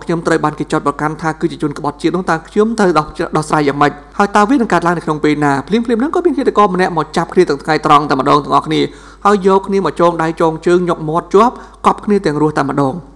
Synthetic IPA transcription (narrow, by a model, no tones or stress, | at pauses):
kʰɲomt̪rəwɓaːnkeːt͡ɕat̪prɑkant̪ʰaːkɨːt͡ɕiət͡ɕuənkə̆ɓɑt̪̚t͡ɕiət̪n̆əht̪aəkʰɲomt̪ɨwɗɑhsraːjːaːŋməc̚haəjt̪aəʋiənɨŋkaət̪laəŋnəkʰnoŋpeːlnaːpʰliəmpʰliəmnɨŋkɔːmiənkʰet̪ːakɑːmənɛ̆əʔmɔːt͡ɕap̚kʰniət̪ɛ̆ət̪ʰŋajt̪rɑŋt̪aəməɗɑːŋt̪̆ə̆ŋʔɑhkʰniə | haəjːɔːkʰniəmɔt͡ɕɔːŋɗajt͡ɕɔːŋt͡ɕəːŋɲok̚mŏət̪̚t͡ɕŏəp̚kɑp̚kʰniət̪ɛ̆əŋrʊəht̪aəmə̆ɗɑːŋ